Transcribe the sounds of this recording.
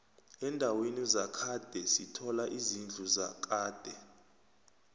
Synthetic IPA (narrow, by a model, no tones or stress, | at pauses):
ɛndʱawenizakʰad̥ʱɛsitʰɔlaʔizind͡ɮʱuza̰k̬ʰʼaːd̥ʱɛ